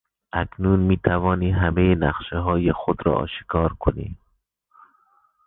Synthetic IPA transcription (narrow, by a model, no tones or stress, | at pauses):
ʔækʰnuːnmiːt̪ʰævɒːniːɦæmejenæχʃeɦɒːjexod̪ɾɒ̰ʔɒ̰ːʃi̥kʰɒːɾkʰonḭː